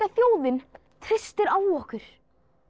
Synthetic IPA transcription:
aθjoːwðɪn | t̪ʰɾɪst̪ɪɾaːwɔhkʏɾ̥

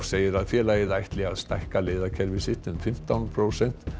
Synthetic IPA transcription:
seːjɪɾaðfjɛːlajɪðajht̪lɪɣaðst̪ajhkaleːðakʰɛɾvɪsɪt̪ʏnfɪm̥t̪awnpʰɾoːwsɛn̥t̪

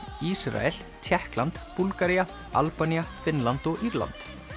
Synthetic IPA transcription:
isɾa̰ɛl̥ | t̪ʰjɛhklant̪pulkaɾia | a̰lpaniafɪnlant̪ɔɣiɾla̰nt̪

